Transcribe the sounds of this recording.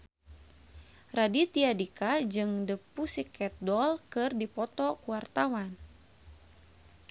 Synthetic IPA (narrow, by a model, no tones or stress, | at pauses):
radit̪iadikad͡ʒɨŋdəpusikːɛt̪̚dɔlkɨrdipɔt̪ɔkuwart̪awan